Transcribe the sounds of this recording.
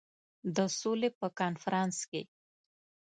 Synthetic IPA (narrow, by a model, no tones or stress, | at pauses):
d̪əsolepəkɑnfaɾɑnske